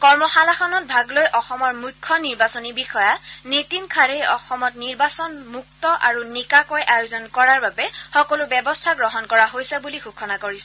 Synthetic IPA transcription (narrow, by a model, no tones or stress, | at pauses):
kɔɹmɔxalaxɔnɔt̚bʱaɡlojʔɔxɔmɔɹmujkʰːɔniɹbasɔnibixɔjanetinkʰaɹejɔxɔmɔtniɹbasɔnmuktɔʔaɹunikakɔjʔajozɔnkɔɹaɹbabɛxɔkɔlʊbɛbɔstʰaɡɹɔɦɔnkɔɹaɦojsɛbuliɡukʰɔnakoɹisɛ